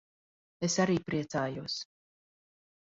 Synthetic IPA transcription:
esaɾiːpɾiɛt̪saːjuɔs

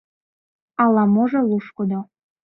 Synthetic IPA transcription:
ɑlɑmoʒeluʃkod̪o

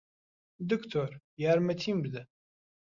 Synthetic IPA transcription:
d̪ykt̪ʰoɾ | jæɾmet̪ʰimbid̪ɛ

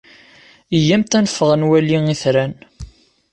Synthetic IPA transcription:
ijːæmt̪ænəfːəʁənwæliŋiθɾæn

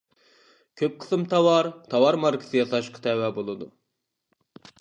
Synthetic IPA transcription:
kʲʰøp̚qʰə̥sɨmt̪ʰɑwɑɾt̪ʰɑwɑɾmɑɾkʰi̥sɨjɑsɑʃqʰɑ̥t̪ʰɛwɛbolˠɨd̪u

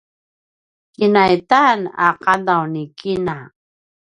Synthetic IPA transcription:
kinajt̪ana̰qadawnikina

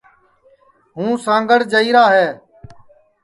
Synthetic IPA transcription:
ɦũːsãːŋɡəɽd͡ʒəiːɾaːɦɛː

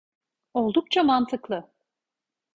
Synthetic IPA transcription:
o̞lˠd̪ukt͡ʃʰamant̪ʰɯklˠɯ

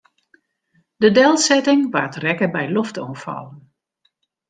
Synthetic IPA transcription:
dədɛlˠsɛtɪŋʋartrɛkəbɛjloftɔnfɑ̰lˠən

